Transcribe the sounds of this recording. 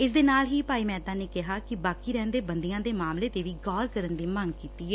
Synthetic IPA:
ɪsd̪eːnaːlɦiːpaːiːmɛːt̪aːneːkɪɦaːkɪbaːkiːɾɛːnd̪eːbənd̪ijãːd̪eːmaːmleːt̪eːʋiːɡɔːɾkəɾənd̪iːməŋɡkiːt̪iːɦɛː

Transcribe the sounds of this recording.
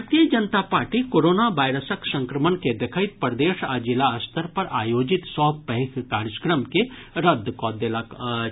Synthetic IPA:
ɾt̪ijəd͡ʒɐnt̪apaːɾʈikoːɾoːnaʋaːɪɾəsəksɐ̃ŋkɾəmənked̪ekʰaɪt̪̚pɾəd̪eːʃad͡ʒɪlaəst̪ʰəɾpɐɾaːjoːd͡ʒɪt̪sɔɦpɐɦikkaːɾəskɾəmkeɾəd̪ʱːkɔːd̪ela

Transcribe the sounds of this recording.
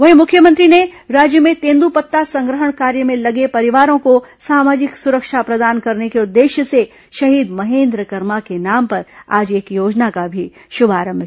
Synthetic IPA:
ʋɐɦimʊkʰjəmə̃nt̪ɾineɾaːd͡ʒjəmẽt̪ẽːnd̪upɐt̪ːasɐ̃ŋɡɾəɦəɽ̃kaːɾjəmẽlɐɡepɐɾɪʋaːɾõkosaːmaːd͡ʒɪksʊɾəkʃapɾɐd̪aːnkɐɾnekeʊd̪ːeːʃjəse | ʃɐɦiːd̪mɐɦẽːnd̪ɾəkɐɾmakenaːmpɐɾa̰ːd͡ʒeːkjoːd͡ʒnakabʱi | ʃʊbʱaːɾə̃mbʱ

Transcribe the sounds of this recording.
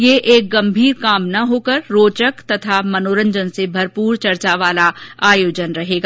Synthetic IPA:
jeʔeːk̚ɡɐ̃mbʱiːɾkaːmnɐɦoːkəɾːoːt͡ʃəkt̪ɐt̪ʰamɐnoːɾə̃ɲd͡ʒənsebʱɐɾpuːɾt͡ʃɐɾt͡ʃaʋaːlaaːjoːd͡ʒənɾɐɦeːɡaː

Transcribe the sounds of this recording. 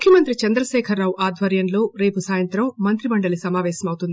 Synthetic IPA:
mukʰjɐmɐnt̪ɾit͡ʃɐnd̪ɾɐʃɛːkʰɐɾːaːwʔaːd̪ʱʋɐɾjɐnlo̞ːɾe̞ːpusaːjɐnt̪ɾɐmmɐnt̪ɾimɐɳɖɐlisɐmaːʋɛːʃɐmɐwut̪und̪i

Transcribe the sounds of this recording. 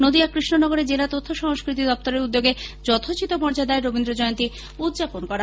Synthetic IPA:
nod̪iakɾiʃnonɔɡoɾed͡ʑelat̪ot̪ʰːoʃɔɦŋskɾit̪id̪ɔp̚t̪oɾeɾud̪ːoɡed͡ʑɔt̪ʰot͡ɕit̪opɔɾd͡ʑad̪aeɾobind̪ɾod͡ʑɔeont̪i | ud̪d͡ʑaponkɔɾa

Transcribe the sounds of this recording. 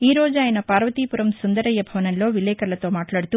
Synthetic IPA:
iːɾoːd͡ʒaːjɐnɐpaːɾʋɐt̪iːpuɾɐmsund̪ɐɾɐjːɐbʱɐʋɐnɐlːoːʋilɛːkɐɾɐlɐt̪o̞ːmaːʈlaːɽit̪u

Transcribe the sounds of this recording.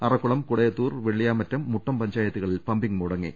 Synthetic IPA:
ɐrɐkːuɭɐmkuɽɐjɐt̪ːuːrʋeɭijaːmɐtːɐmːuʈːɐmpɐɲd͡ʑaːjɐt̪ːuɣɐɭilpɐmbiŋɡmuɽɐŋːḛ

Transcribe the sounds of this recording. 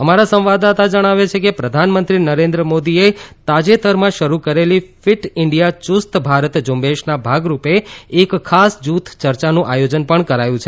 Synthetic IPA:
əmaɾasə̃mʋad̪at̪ad͡ʒəɽ̃aʋet͡ʃʰekepɾəd̪ʱanmənt̪ɾinəɾẽnd̪ɾəmod̪iet̪ad͡ʒet̪əɾmãʃəɾukəɾelifɪʈɪɳɖijat͡ʃust̪bʱaɾət̪d͡ʒumbeʃnabʱaɡɾupeːkʰːasd͡ʒut̪ʰt͡ʃəɾt͡ʃanũʔajod͡ʒənpəɳkəɾajũt͡ʃʰe

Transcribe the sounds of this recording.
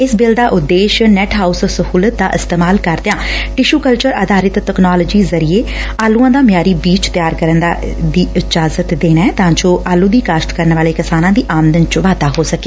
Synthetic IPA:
ɪsbɪld̪aːʔʊd̪ːeːʃnɛːʈɦaːussəhuːlət̪̚d̪a̰ːʔɪst̪eːmaːlkəɾd̪ejãːʈɪʃuːkəlt͡ʃəɾaːd̪aːɾɪt̪ːɛknaːləːd͡ʒiːzəɾieːaːlũːãːd̪aːmjaːɾiːbiːt͡ʃt̪jaːɾkəɾənd̪a̰ːd̪iːɪd͡ʒaːzət̪d̪eːnaːɛːt̪ãːd͡ʒõːʔaːlũːd̪iːkaːsʈkəɾənʋaːleːkɪsaːnãːd̪iːʔaːmd̪ənt͡ʃʋaːd̪aːɦoːsəke̥ː

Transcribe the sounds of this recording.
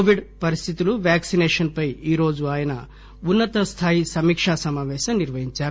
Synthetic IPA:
ʋiɖpɐɾist̪ʰit̪uluʋjaːksinɛːʂɐnpɐjiːɾo̞ːd͡ʒuaːjɐnɐ | unːɐt̪ɐst̪ʰaːjisɐmiːkʂasɐmaːʋɛːʃɐmniɾʋɐɦiɲt͡ʃaːɾu

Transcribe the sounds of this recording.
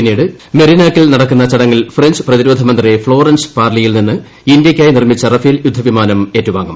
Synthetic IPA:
pinːiːɽɨ | meɾinaːkːilnɐɽɐkːunːɐt͡ɕɐɽɐŋːɐlfrend͡ʑɨ̥prɐðiɾuːd̪ʱɐmɐnd̪refɭo̞ːrɐnsɨ̥paːrlijilninːɨ | indjɐkʲːaːjnirmit͡ɕːɐrɐfijljud̪ʱːɐʋimaːnɐme̞ːtːuʋaːŋːṵm

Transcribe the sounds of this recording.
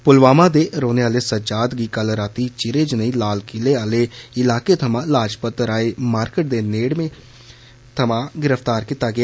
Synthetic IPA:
pʊlʋaːmãːd̪eːɾoːneːaːleːsəd͡ʒaːd̪ɡiːkəlɾaːt̪iːt͡ʃɪɾeːd͡ʒnəĩlaːlkɪleːaːleːɪlaːkeːt̪ʰəmãːlaːd͡ʒpət̪ːəɾaːeːmaːɾkəʈ̚d̪eːneːɽmẽː | t̪ʰəmãːɡɪɾəft̪aːɾkiːt̪aːɡɪaː

